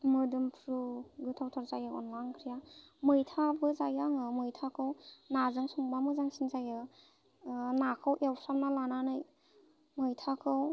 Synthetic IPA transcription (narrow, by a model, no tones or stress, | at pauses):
mɯdɯmpʰɾuɡɯtʰawtʰɔɾzajɯɔ̰nlaŋkʰɾijamɯjtʰabɯzajaŋɯmɯjtʰakʰɯwnazɯŋsɔŋbamɯzaŋsinzajɯ | nakʰɯwʔewsamnalananɯj | mɯjtʰakʰɯw